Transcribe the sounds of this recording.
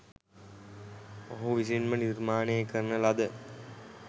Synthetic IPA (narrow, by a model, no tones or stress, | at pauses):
mɐɦuʋis̬inməniɾmaːnejəkəɾnəlad̪ə